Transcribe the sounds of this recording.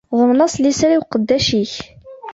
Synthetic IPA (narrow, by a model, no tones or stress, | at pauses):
ʁʊɾnɑsˤlisɾiwqəd̪ːæʃiç